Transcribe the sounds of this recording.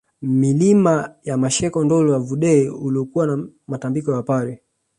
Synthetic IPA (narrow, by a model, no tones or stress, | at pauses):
milimajamaʃɛkɔndɔluwavuɗɛiuliɔkuwana | matambikɔwapaɾɛ